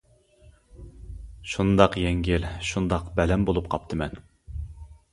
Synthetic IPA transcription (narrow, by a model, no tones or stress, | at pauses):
ʃund̪ɑqjɛŋɡʲɪlʃund̪ɑqbɛlɛmbolˠup̚qʰɑp̚t̪ʰɨmɛn